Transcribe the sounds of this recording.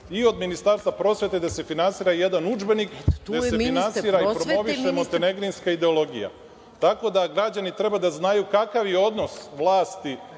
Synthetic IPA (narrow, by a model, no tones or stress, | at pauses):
io̞d̪minist̪aɾst̪vapɾo̞sʋe̞t̪e̞d̪ase̞finansiːɾaje̞d̪anud͡ʒbe̞nik̪esefinansiːɾaipɾoo̞ʋiʃemont̪eneɡɾinskaid̪e̞o̞lo̞ɡḭja̰ | t̪ako̞d̪aɡɾad͡ʑanit̪ɾe̞bad̪aznajukakaʋjeo̞d̪no̞sʋlˠaːst̪i